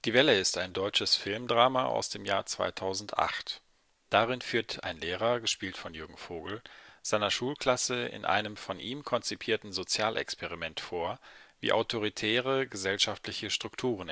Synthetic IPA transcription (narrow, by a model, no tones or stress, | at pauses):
d̥iːvɛləɪstaɪndɔʏt͡ʃəsfɪlmdʁaːmaʔa̰ʊsd̥eːmjaːɐt͡sv̥a̰ɪtʰaʊzn̩tʔa̰χt | d̥aʁɪnfyːɐtʰa̰ɪnleːʁɐɡəʃpiːltfɔnjʊɐɡŋ̩foːɡl̩z̥aɪnɐʃuːlkʰl̥asəɪ̰nʔa̰ɪnəmfɔnʔiːmkʰɔnt͡sipʰiːɐtn̩zot͡sjaːlʔɛ̰kspʰɛʁimɛntfoːɐvḭːʔaʊtʰoʁ̞itʰɛːʁəɡəzɛlʃaftlɪçəʃtʁ̥ʊktʰuːʁ̞ən